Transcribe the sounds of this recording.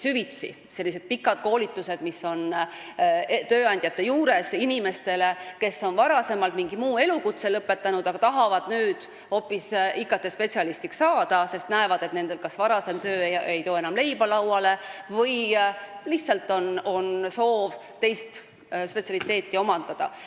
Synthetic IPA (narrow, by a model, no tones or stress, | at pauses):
syvit̪sḭ | se̞lːis̬e̞d̪̥̚pikːˑɑd̪̥̚ko̞ːlit̪ːˑuse̞d̪̥miso̞n | t̪øːɑnʲd̪̥ʲjɑt̪ːe̞juːɾe̞sinime̞st̪e̞le̞ke̞sːo̞nvɑɾɑse̞mɑlt̪miŋɡimuːe̞lukut̪selɤpːe̞t̪ˑːɑnud̪̥ɑɡ̥ɑt̪ɑɦɑvɑd̪̥nyːd̪̥ | ho̞pːˑisikːˑɑt̪ːˑespe̞t̪sijɑlist̪ikssɑːd̪̥ɑse̞st̪næevɑd̪̥et̪ne̞nd̪̥e̞lkɑsvɑɾɑse̞mt̪ø̞ːe̞jt̪o̞ːe̞nɑmle̞jb̥ɑlɑwɑle̞vɤjliht̪sɑlt̪ːˑo̞no̞nso̞ːv | t̪e̞jst̪ | spe̞t̪sjɑlit̪ːˑe̞ːt̪ːˑio̞mɑnd̪̥ɑd̪̥ɑ̰